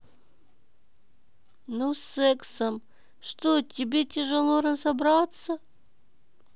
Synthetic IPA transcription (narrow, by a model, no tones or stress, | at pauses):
nusːɛksəm | ʂt̪otʲɪbʲetʲɪʐɨlˠoɾɐsɐbɾat̪sə